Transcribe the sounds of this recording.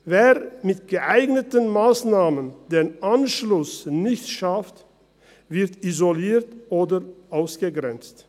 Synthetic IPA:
veːʁmɪtɡ̥əʔaɪɡnətənmaːsnaːməndeːnʔanʃlʊsnɪçtʃaft | vɪɐtizoliːɐtʔoːdəʔaʊsɡ̥əɡʁɛnt͡st

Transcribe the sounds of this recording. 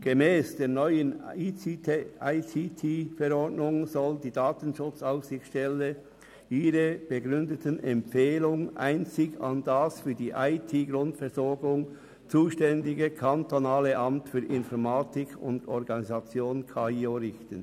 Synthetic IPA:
ɡ̥emɛːsd̥eːɐnɔʏəni | aɪtʰitʰiːfɛɾɔɹdnʊŋzɔldiːdaːtənʃʊt͡saʊfsɪxʃtɛlə | iːʁəb̥əɡʁʏndətənʔɛmpfeːlʊŋʔa̰ɪnt͡sɪɡɑ̰nd̥asfyːɐdiːʔaɪtʰiːɡɾʊntfɛɐɾzɔɐɡʊŋ | t͡suːʃtɛndɪɡəkʰɑntonaːləʔɑmtfyːɐʔɪnfɔʁmaːtɪkʰʊ̰ndɔɾɡɑnizɑt͡sjoːnkʰaːioɾɪçtən

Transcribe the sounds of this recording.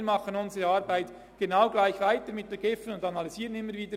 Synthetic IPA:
ɾmɑχənʊnzəʁeɑːɾbaɪt | ɡ̥enaʊɡlaɪçvaɪtəɾmɪt̚dənɡ̥ɪfənʊndɑnɑliziːʁənɪmːəɾviːdə

